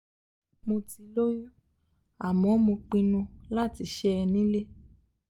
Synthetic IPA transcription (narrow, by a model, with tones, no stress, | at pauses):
mõ˧ti˧lo˦jũ˦ | a˨mɔ̃˨˦mõ˧k͡pĩ˧nũ˧la˦˨ti˨˧ʃɛ˦ɛ˧nĩ˦le˦